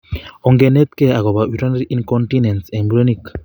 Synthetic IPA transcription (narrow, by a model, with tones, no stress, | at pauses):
o˨ŋɡe˨ne˦t̪̚kea˨ɣo˨βa˨wiɾa˦nɾi˦nkontine˨ntɛ˨nbuɾe˦nik